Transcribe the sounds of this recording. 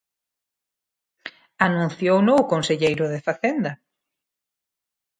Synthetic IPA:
anũn̟θjownowkonseʎejɾʊðefaθend̪ɐ

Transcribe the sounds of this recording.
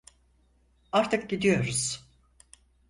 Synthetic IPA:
aɾt̪ʰɯk̚ɟid̪ijo̞ɾuz̥

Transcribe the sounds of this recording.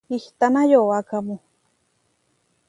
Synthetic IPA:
iht̪anajowakamu

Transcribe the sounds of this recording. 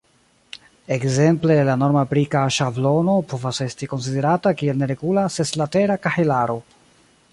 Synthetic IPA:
ekze̞mple̞lano̞ɾmapɾikaʃavlo̞no̞po̞vase̞stiko̞ns̬ide̞ɾatakie̞lne̞ɾe̞ɡulaseslate̞ɾakahelaɾo̞

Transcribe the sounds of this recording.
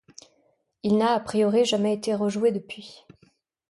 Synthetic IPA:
ilnaːpχijɔʁiʒamɛet̪eʁəʒuwed̪əpɥi

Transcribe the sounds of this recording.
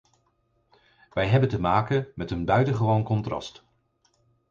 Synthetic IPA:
ʋɛjɦɛbəntəmaːkənmɛtənbœɥtəχəʋownkɔntrɑ̰st

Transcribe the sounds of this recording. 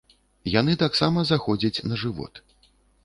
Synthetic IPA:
jan̪ɨt̪aksamɐzaxɔd͡zʲɐt͡sʲnɐʐɨvɔ̰t̪

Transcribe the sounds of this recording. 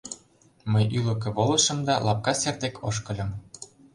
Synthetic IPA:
məjylɤ̆k̬ĕβolɤ̆ʃɤ̆md̪ɑlʔɑp̚kɑsert̪ekʰoʃkɤ̆lʲɤ̆m

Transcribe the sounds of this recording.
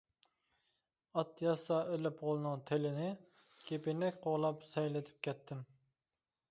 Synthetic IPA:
ɑt̪jɑsɑølɪpʁolˠɨnɨŋt̪ʰelɪnɪ | kʲʰepɪnɛk̚ʲqʰoʁlˠɑpsɛjlɪt̪ʰɪ̥p̚kʲʰɛt̪ʰːɪm

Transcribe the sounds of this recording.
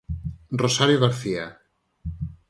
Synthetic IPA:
rosaɾjoɣaɾθia

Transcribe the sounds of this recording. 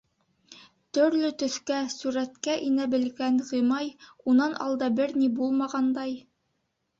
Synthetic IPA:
t̪ɵ̆ɾlɘt̪ɵ̆θkæsuɾæt̪kæʔinæbɘ̆lɡænʁimɑj | unɑnʔɑ̰lˠd̪ɑbɘɾnibulˠmɑʁɑnd̪ɑj

